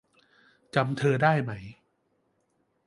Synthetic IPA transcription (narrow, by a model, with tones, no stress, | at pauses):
t͡ɕa˧mt̪ʰɤː˧daː˥˩jma˦˥j